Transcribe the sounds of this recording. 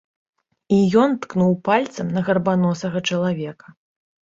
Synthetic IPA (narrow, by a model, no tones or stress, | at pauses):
ijɔnt̪knuwpalʲt̪sɐmnɐɣɐrbanɔsɐɣɐt͡ʂɐlˠavʲɛkɐ̥